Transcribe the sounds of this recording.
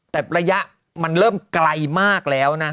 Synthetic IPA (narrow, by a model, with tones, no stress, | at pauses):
t̪ɛː˨˩ɾa˧ja˦˥ʔ | ma˧nɾɤː˥˩mkla˧jmaː˥˩k̚lɛː˦˥wna˦˥